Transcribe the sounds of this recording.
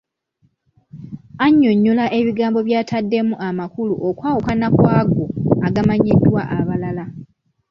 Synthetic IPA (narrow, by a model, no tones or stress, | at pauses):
aɲːoɲːulaʔe̞βiɡaːmbo̞βjaːtadːe̞muʔamakulṵʔokwaːwukanakwaːɡoaɡamaɲidːwaʔaβalala